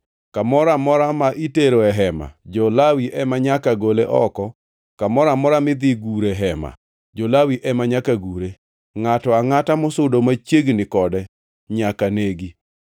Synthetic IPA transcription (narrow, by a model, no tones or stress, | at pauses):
kamɔɾamɔɾamaʔiteɾoɛɦɛma̰d͡ʒɔlawiʔɛmaɲakaɡoleʔɔkɔ | kamɔɾamɔɾamɪd̪ɪɡuɾɛɦɛma̰ | d͡ʒɔlawiʔɛmaɲakaɡuɾe | ŋatɔaŋatamʊsʊdomat͡ʃjeɡnɪkɔdɛ | ɲakaneɡi